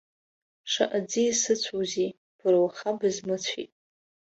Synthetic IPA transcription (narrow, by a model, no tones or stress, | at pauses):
ʂa̰ʔad͡zisɨt͡sʷʰowzi | b̥ɨrwχabɨzmɨt͡ɕʷʰḭtʼ